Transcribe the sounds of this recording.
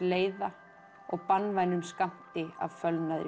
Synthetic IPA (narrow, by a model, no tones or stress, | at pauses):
leːjða | ɔɣpanːvajnʏmskam̥t̪ɪa̰vfœlnaðɾ